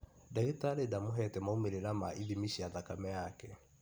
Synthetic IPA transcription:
daetaɾedamoɦɛtɛmaumeɾeɾamaʔiðimiɕiaðakamɛjakɛ

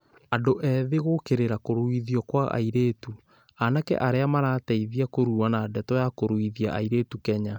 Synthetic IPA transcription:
adoʔɛðeɣokeɾeɾakoɾoiðiɔkwaʔa̰iɾeːtu | anakɛ̰ʔaɾeamaɾaːtɛiðiakoɾuanadɛtɔjakoɾwiðia̰ʔaiɾeːtukɛɲa

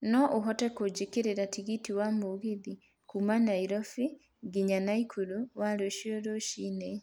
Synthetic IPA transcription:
nɔʔoɦɔtɛkod͡ʑekeɾeɾatiɣitiwamoɣiði | kumanaiɾɔfi | ɡiɲanaikʰuɾuwaɾeoʃioɾoʃine

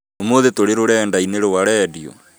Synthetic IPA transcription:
omoðetoɾeɾoɾɛːndaineɾowaɾɛdiɔ̰

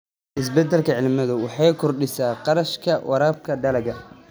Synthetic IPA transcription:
ʔɪs̬bɛd̪ɛlkʰɐʕɪlmɐðʊwɑħɑːjkʰɔrɖɪsaːqɑɾɐʃkʰɐwʔɑɾaːb̚kʰɐd̪ɐlɐɡɐ

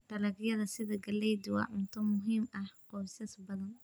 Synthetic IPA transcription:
b̪ɐlɐɡjɐðɐsɪðɐɡɐlɛjd̪ʊwɐ̰ʔʊnt̪ʰɐmʊɦiːmʔɐhqɔsɛsbɐðɐn

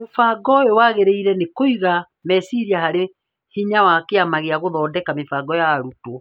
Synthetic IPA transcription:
mofaɡɔjowaɣeɾeiɾɛnekoiɣa | mɛsiɾiahaɾe | hiɲawakeamaɣeaɣoðɔːdɛkamefaɡɔjaːɾutwɔ

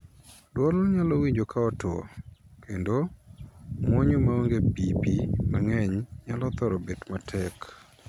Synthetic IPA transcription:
dwɔlɲalowiɲd͡ʒokaɔtɔ̰kʰendo | mwɔɲomaoŋɡepipimaŋɛɲɲalɔt̪ɔɾɔbetmatʰɛk

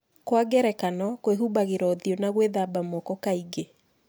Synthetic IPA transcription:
kwaɡɛɾɛkanɔkweɦubaɣeɾɔðiɔnaɣweðabamɔkɔkaiɡe

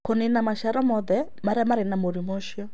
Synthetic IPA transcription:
konenamaʃaɾɔmɔðɛ | maɾɛmaɾenamoɾimɔʃjɔ

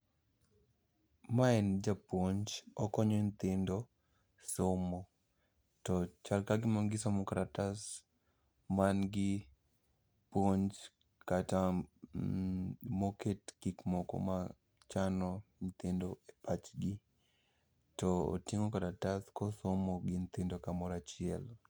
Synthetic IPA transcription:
maɛnd͡ʒapoɲd͡ʒɔkɔɲɔnt̪ɪndɔ | somɔ | tɔt͡ʃalkaɡɪmɔnɡɪsɔmɔkaɾatas | manɡɪ | poɲt͡ʃ | kata | moketkikmɔkɔ̰ma | t͡ʃanɔnt̪ɪndoepat͡ʃɡɪ | tɔo̰tiŋokaɾataskɔsomoɡɪnt̪ɪndokamɔɾat͡ʃɪɛ̰l

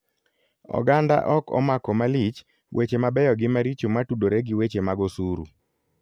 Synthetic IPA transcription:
ɔ̰ɡanda̰ʔɔkɔ̰makɔmalit͡ʃ | wʔet͡ʃemabɛjɔɡɪmaɾit͡ʃomatudoɾeɡɪwet͡ʃemaɡɔsuɾṵ

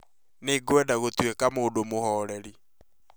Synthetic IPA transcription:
neɡwɛdaɣotwekamoːdomohɔːɾɛɾi

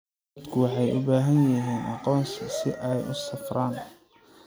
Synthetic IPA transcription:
d̪kʰʊwɑħɑjʔʊ̰baːɦɐnjɐɦiːnʔɑqɔːnsɐsɪʔɛjʊ̰sɐfraːn

